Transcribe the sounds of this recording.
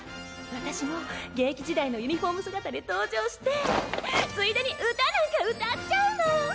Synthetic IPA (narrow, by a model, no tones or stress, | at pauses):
βat̪aɕimo̞ɡẽ̞ːkʲiʑid̪ainojɯ̟ɲ̟iɸo̞ːmɯ̟sɨɡat̪ad̪ʲet̪o̞ːd͡ʑo̞ːɕi̥t̪e̞ | sɨid̪eɲ̟iʔɯt̪anaɡaɯ̟t̪at͡ɕaɯ̟no